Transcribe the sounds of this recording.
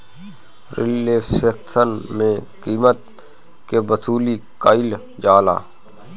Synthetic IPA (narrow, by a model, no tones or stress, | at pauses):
ɾɪ̰lːeseksənmẽkiːmət̪̚ | kebəsuːlikaɪl | d͡ʒaːla̰ː